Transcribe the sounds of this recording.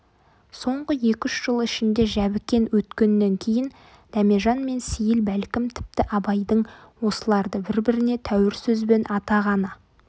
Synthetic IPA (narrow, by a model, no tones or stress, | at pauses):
so̞ɴʁəje̞kʲʏʃʒ̥əlˠɪʃɪnd̪e̞ʒæbɪkʲːe̞nwɵt̪kʲe̞nːe̞ŋkʲʰe̞jɪn | d̪̥æme̞ʒɑnme̞nsijɪlbælkʲɪmt̪ʰɪ̥p̚t̪ɪʔɑbɑjd̪əɴwo̞səlˠɑɾd̪əbɪɾbɪɾɪne̞t̪ʰæwɪɾsɵzbe̞nʔɑt̪ɑʁɑnə